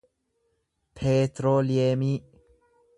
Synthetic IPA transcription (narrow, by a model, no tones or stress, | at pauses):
pʰeːt̪ɾoːlɪeːmiː